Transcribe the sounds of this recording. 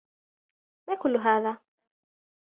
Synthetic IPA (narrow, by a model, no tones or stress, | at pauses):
maːkʊlːʊɦaːða